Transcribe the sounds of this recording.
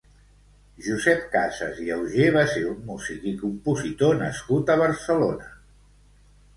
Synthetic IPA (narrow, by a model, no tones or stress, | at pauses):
ʒuzɛp̚kasə̰ziɛwʒeβ̞aseɾumːuzikikumpuzit̪onəskut̪əβəɾsəlonə